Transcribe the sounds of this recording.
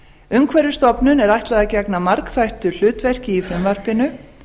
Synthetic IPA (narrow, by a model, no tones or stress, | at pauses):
ʏmkʰvɛɾjʏst̪ɔpnʏnɛɾajht̪laðacɛknamaɾkθajht̪ʏl̥ʏːt̪vɛr̥cɪifɾʏmvar̥pɪnʏ